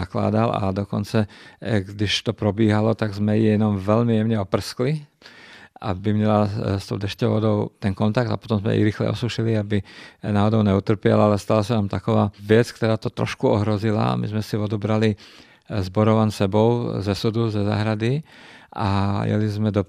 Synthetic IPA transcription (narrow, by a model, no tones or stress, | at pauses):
akla̰ːd̪ala̰d̪ɔkɔnt͡saɡd̪iʃt̪ɔpɾɔbiːɦalɔt̪aɡzmɛjijɛnɔmʋɛʎmijɛʊɲɛɔpr̩skli | a̰bimɲɛlast̪ɔʊd̪ɛʃcɔʊʋɔd̪ɔʊt̪ɛnkɔnt̪aɡ̚t̪apɔt̪ɔmzmɛ̰ḭɾixlɛ̰ɔ̰suʃiliabinaːɦɔd̪ɔʊɲɛut̪r̩pɪɛ̰lalɛst̪alasanamt̪akɔʋaːʋɪɛt͡skt̪ɔɾaːt̪ɔt̪ɾɔ̰ʃkuɔɦɾɔzila̰mḭzmɛsiʋɔd̪ubɾali | zbɔɾɔʋansɛbɔʊzɛsud̪uzɛza̰ːɦɾad̪iʔa̰jɛ̰lizmɛd̪ɔ